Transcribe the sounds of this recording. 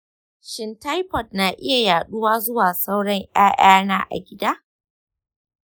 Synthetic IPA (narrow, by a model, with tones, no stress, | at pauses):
ʃɪ˨nta˦jpɔ˨t̚naː˨ʔɪ˦ja˨jaː˨ɗʊ˦waː˦zʊ˦waː˨sa˦wɽɐ˦ŋʔaː˦ʔaː˦naː˦ʔa̰˨ɡʲɪ˦daː˦